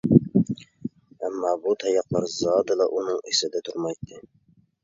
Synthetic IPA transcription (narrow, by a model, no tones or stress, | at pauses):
æmːɑːbut̪ʰɑjɑqlˠɑɾzɑːd̪ɨlˠɑʔunɨŋesɪd̪ɛt̪ʰuɾmɑjt̪ʰːɨ